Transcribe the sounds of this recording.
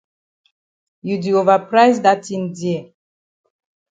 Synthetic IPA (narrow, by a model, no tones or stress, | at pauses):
judiovəpɹajzdatĩndiə